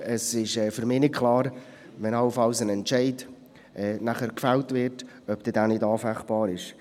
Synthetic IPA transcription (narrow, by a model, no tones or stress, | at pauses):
əsɪʃɛːfyɾmɪːnɪt̚kʰlɑːɾ | vɛnɑləfɑlsənɛntt͡ʃɛɪd | ɛːnæχəɾkfɛltvɪrt | œp̚d̥ɪːdaːnɪdɑːfæχb̥ɑːɾɪʃ